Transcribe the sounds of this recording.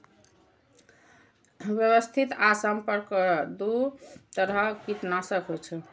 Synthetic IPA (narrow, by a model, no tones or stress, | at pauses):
bjəβəst̪ʰit̪asəmpəɾkd̪ut̪əɾəkit̪nasəkɦot͡ʃʰɛ